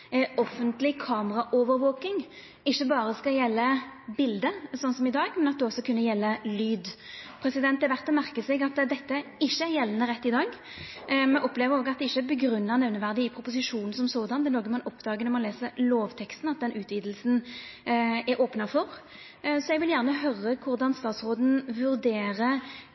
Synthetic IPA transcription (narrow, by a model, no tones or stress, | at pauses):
ɔfːənt̪lɪkʰɑːməʁɑʔoːʋəɾʋoːkɪŋ | ɪçːəbɑːɾəskɑljɛlːəbɪld̪əsɔnːsɔmɪd̪ɑːɡmɛnɑt̪d̪ɛɔsːɔkʉnːəjɛlːəlyːd̪pʰɾɛsɪd̪ɛnt̪ːɛʋæʁt̪ːəmæʁkəsɛɡɑt̪d̪ɛt̪ːəɪʃːəæɾjɛlːənəʁɛt̪ːɪd̪ɑːɡ | mɛnʔɔpleːʋəɾoːɡɑt̪d̪ɛɪçːəbəɡɾʉnːənɛʋnəʋæʁd̪ɪɪpʰɾʊpʊs̬ɪʂuːnn̩sɔmsoːd̪ɑnd̪ɛnoːɡəmɑnɔpd̪ɑːɡənɔʁmɑnleːsəɾloːʋt̪ʰɛkst̪n̩ɑt̪̚d̪ɛnʔʉːt̪ʰʋiːd̪l̩sn̩ | ɛɾʔoːpnɑfɔʁ | sɔɛɡʋɪljæʁnəɦœɾəkʰʊɾd̪ɑnst̪ɑːt̪sʁoːd̪n̩ʋʉɾd̪eːɾə